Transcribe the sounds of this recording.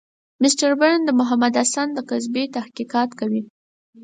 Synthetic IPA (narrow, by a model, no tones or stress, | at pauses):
mɪsʈaɾbəɾnd̪əmʊɦamad̪asand̪əkazbet̪ahkiqɑt̪kawi